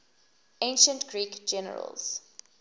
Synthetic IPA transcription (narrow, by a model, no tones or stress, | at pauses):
ẽnʃə̃ntɡ̥ɹiːkd͡ʒɛnə̰ɹə̰lz̥